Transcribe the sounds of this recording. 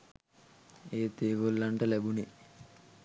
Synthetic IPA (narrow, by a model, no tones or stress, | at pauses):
eːt̪eːɡolːɐɳʈɐlɛbuni